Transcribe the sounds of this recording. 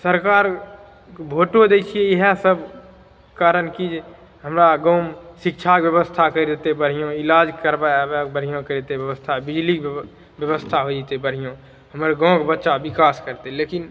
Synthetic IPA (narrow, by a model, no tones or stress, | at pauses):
səɾkaːɾ | kbʱoʈod̪ekʰiejeɦɛsəb | kaːɾənkid͡ʒ | ɦəmɾaɡɔ̃ʊsɪk̚t͡ʃʰabjəbəst̪ʰakəɾid̪et̪ebəɽ̤ijõɪlaːd͡ʒkəɾbabekbəɽ̤ijõkəɾet̪eʋjəʋəst̪ʰabɪd͡ʒlik | bjəbəst̪ʰaɦod͡ʒit̪ebəɽ̤ijõ | ɦəmɾɡɔ̃kbətːʃabɪkaskəɾt̪elekin